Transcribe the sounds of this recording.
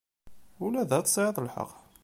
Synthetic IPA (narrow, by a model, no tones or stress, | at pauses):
ulæðæt͡s̪ːsˤʕəðˤlħə̰q